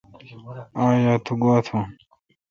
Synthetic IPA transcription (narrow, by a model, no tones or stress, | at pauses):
ãːjaːt̪ʰuɡoːt̪ʰã